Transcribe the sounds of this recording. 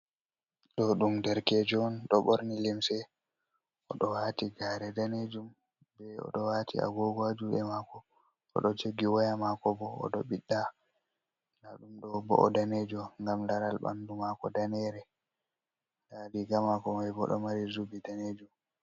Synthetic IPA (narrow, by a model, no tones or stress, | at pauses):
ɗɔɗumdɛɾkɛd͡ʒɔnɗɔɓɔɾnilimsɛ | ʔɔɗɔwatiɡaːɾɛdaned͡ʒum | bɛɔ̰ɗɔwatʰḭa̰ɡɔɡɔad͡ʒuɛmakɔ | ɔ̰ɗɔt͡ʃeɡiwajamakɔbɔ̰ːɗɔɓiɗːa | naɗumɗɔbɔ̰ʔːdanɛd͡ʒɔŋɡamlaɾalɓa̰ndumakɔdanɛɾɛ | dadiɡamakɔmajbɔ̰ɗɔ̰maɾizubidaned͡ʒum